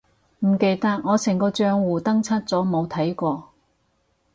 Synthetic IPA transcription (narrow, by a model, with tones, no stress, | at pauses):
m̩˨˩ke˨jt̪ɐ˥k̚ŋɔː˨˧sɪ˨˩ŋkɔː˧t͡ʃœː˧ŋwuː˨˩t̪ɐ˥ŋt͡sʰɐ˥t̚t͡sɔː˨˥mo˨˧wt̪ʰɐ˨˥jkʷɔː˧